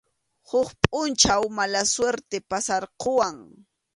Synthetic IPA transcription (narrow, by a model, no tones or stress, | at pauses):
hʊχpʼʊnt͡ʃawmalasweɾt̪epasaɾqowaŋ